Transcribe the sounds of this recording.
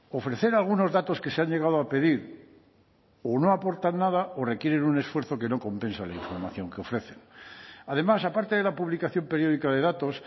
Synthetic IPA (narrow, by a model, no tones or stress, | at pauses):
o̞fɾe̞θe̞ɾalɣuno̞zðat̪o̞ske̞seaɲʝe̞ɣ̞að̞oape̞ðiɾ | o̞no̞apo̞ɾt̪anːaðao̞re̞kje̞ɾe̞nune̞sfwe̞ɾθo̞ke̞no̞ko̞mpẽ̞nsalaiɱfo̞ɾmaθjo̞ŋkeo̞fɾe̞θe̞naðe̞masapaɾt̪e̞ðe̞lapuβlikaθjo̞mpe̞ɾjo̞ð̞ikaðe̞ðat̪o̞s